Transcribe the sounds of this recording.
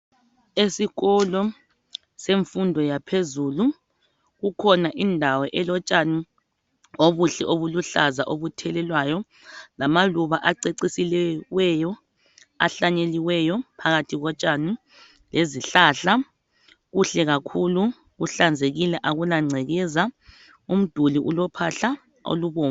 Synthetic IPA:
esiɣɔlɔ | seɱfundʱɔjapʰezuːlu | ɣukʰɔnaʔindʱawɛʔɛlɔt͡ʃʼanu | oβuɬɛʔoβuluɬaza̰ʔoβutʰɛlɛlwajɔ | lamaluβaʔaǀeǀisilɛwɛjɔ | a̰ɬaɲeliwɛjɔpʰaɣatʰiɣɔt͡ʃʼanu | leziɬaɬa | ɣuɬɛɣakʰulu | ɣuɬand͡zʱeɣilɛʔaɣulaŋ͡ǀʱɛɣɛza | um̩d̥ʱuliʔulɔpʰaɬa | o̰luβoːma

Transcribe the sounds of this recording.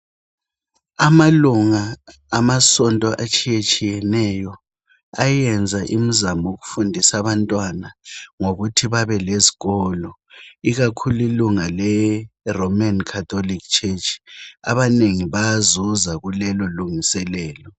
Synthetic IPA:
amaluŋaː | masɔntʼɔʔat͡ʃʼijet͡ʃʼijɛnɛjɔ | ajɛnd͡zʱaʔim̩zamɔoɣufundʱisaβantʼwanaŋoɣutʰiβaβɛleziɣɔlɔ | iɣakʰuliluŋalɛromankʰat̪ʰolikt͡ʃʰet͡ʃʼaβaneŋiβajazɔzaɣulɛlɔluŋisɛlɛːlɔ

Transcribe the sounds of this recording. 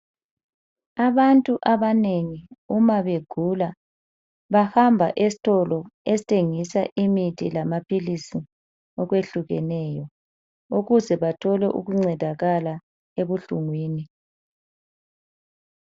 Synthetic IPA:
aβantʼuʔaβaneŋiumaβeɡ̥ʱula | βahambʱaʔesi̥tʰʼɔlɔesitʰeŋisa̰ʔimitʰilamapʰilisi | ɔɣweɬuɣɛ̰nɛjɔ | uɣuzɛβatʰɔlɛʔṵɣuŋ͡ǀɛdʱaɣala | eβuɬuŋwiːni

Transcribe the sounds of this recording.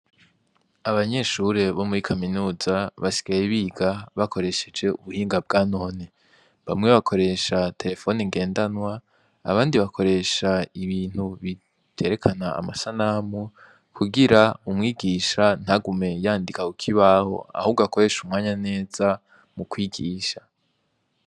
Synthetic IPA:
aβaɲe̞ʃuɾe̞βo̞muɾikʰaminuːzaβasi̥ɡ̥ajeβiːɡaβakʰo̞ɾe̞ʃe̞d͡ʒe̞uβuhiːŋɡab̚ɡaːno̞ːne | βamŋe̞βakʰo̞ɾe̞ʃatʰe̞ɾe̞fo̞niŋɡe̞ːndanwa̰ː | βaːndiβakʰo̞ɾe̞ʃaiβiːn̥huβi̥ | e̞ɾe̞kʰana̰ːmasanamu | kʰuɡiɾaumŋiːɡiːʃan̥haɡume̞jaːndikakukʰiβaho̞̰a̰huːɡuako̞ɾe̞ʃumŋaːɲane̞ːz̥a | mukwiːɡiːʃa

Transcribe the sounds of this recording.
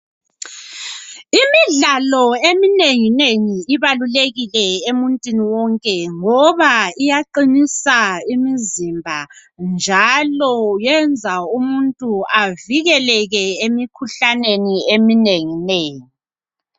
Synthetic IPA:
imiɮalɔemineŋineŋiiβaluleɣilɛemuntʼwiniwɔŋkʼɛŋɔβaijaǃinisaimizimbʱand͡ʒʱalɔjɛnd͡zʱaumuntʼuaviɣɛlɛɣɛemikʰuɬaneniemineŋineːŋi

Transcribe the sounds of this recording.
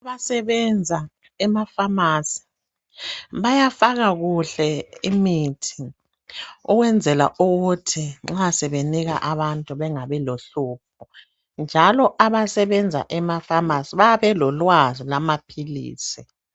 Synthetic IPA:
aβasɛβɛnd͡zʱa | ɛmafamasi̥ | βajafaɣaɣuɬɛimitʰi̥ | uɣwɛnd͡zʱɛla̰ʔuɣutʰiŋ͡ǁasɛβeniɣa̰ʔaβantʼuβɛŋaβɛloɬuːp̚ʰu | nd͡ʒʱalɔʔaβasɛβɛnd͡zʱa̰ʔɛmafamasiβaaβɛlɔlwazilamapʰilḭːsi

